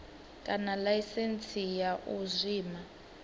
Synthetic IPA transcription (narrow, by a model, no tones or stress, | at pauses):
kʼanalaisent͡sʰʼijaʔuzʷiːma